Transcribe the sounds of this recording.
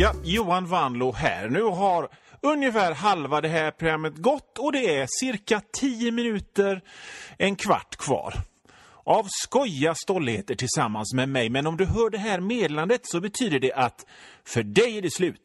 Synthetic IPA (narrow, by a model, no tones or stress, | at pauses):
jɑjuːanvand̪lʊɦæ̰ːɾnʉ̟ːɦaɾɵnjəfæːɾɦalvad̪ɛɦæːɾpʰɾʊɡɾamːət̪ɡɔt̪ːɔd̪ɛæsɪɾkat̪ʰiːəmɪnʉ̟ːt̪əɾɛnkʰva̰ʈːkʰvɑ̰ːɾ | ʔavskɔjast̪ɔlːɪheːt̪əʈʰɪlsamːansmɛmɛjmɛnɔmd̪ɵɦœːɖɛɦæːɾmeːd̪land̪ət̪sɔbɛt̪ʰyːd̪əɖɛʔat̪fœɖɛjæɖɛslʉ̟ːt̪